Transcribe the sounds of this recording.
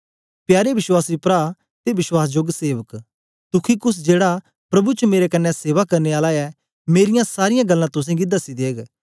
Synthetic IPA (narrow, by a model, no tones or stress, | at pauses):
pjaːɾeʋɪʃwaːsipɾaː | t̪eʋɪʃwaːsd͡ʒoɡseːʋək | t̪ʊkʰikʊs̬d͡ʒeːɽa | pɾɐbut͡ʃəmeːɾekɐnːɛseːʋakɐɾneaːlaɛ | meːɾɪjãsaːɾɪjãɡɐlːãt̪ʊs̬ẽɡɪd̪asid̪eːɡ